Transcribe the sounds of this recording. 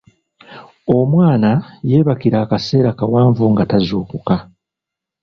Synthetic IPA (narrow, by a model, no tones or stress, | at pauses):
o̞mwaːnaje̞ːβakiɾaːkase̞ːɾakawaːɱvuŋɡatazuːkuka